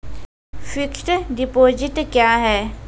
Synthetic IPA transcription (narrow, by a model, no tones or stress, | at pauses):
fikʈɖipoːd͡ʑiʈkjaːɦɛː